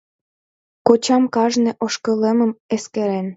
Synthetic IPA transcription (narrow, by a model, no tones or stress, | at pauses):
kot͡ɕɑmkɑʒneʔoʃkəleməmeskeɾen